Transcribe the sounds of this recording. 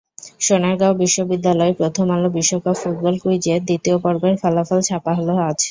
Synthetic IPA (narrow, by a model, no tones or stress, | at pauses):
ʃonaɾɡaobiʃːobid̪ːalɔepɾot̪ʰomalobiʃːokabfuʈ̚bɔlkujd͡ʑed̪it̪iopɔɾbaɾfalafalt͡ɕʰapaɦoloat͡ɕʰe̥